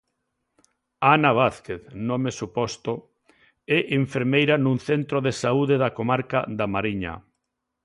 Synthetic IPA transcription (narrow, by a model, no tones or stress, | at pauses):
anaβ̞aθkeθnomesupɔst̪o | ɛʔiɱfeɾmejɾanũŋθent̪ɾoðesauðeðakomaɾka̰ðamaɾiɲa̰